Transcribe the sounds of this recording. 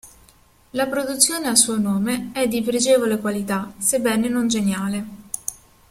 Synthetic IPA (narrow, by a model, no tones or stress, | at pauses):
lapɾod̪ut̪sːjoːneasuːonoːmeɛd̪ːipɾed͡ʒeːvolekwalit̪asebːɛːnenond͡ʒenjaːle